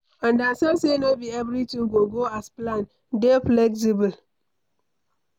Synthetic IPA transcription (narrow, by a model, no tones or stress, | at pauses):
ãndasasenobiɛvɾitĩŋɡoɡoasplan | deflɛks̬ibəl